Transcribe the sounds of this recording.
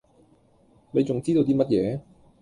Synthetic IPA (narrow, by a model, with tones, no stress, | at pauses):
ne˨˧jt͡sʊ˨ŋt͡siː˥t̪o˧t̪iː˥mɐ˥t̚jɛː˨˧